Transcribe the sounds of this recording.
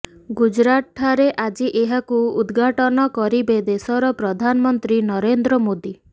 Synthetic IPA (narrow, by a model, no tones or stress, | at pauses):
ɡud͡ʒɾaʈʰaɾeʔad͡ʒiʔeɦakuud̪ɡʱaʈɔnɔkɔɾibed̪esɔɾɔpɾɔd̪ʱanɔmɔnt̪ɾinɔɾend̪ɾɔmod̪i